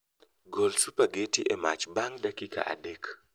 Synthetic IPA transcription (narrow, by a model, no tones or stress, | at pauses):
ɡolsupaɡetiʔɛma̰t͡ʃbaŋdakika̰ʔa̰dek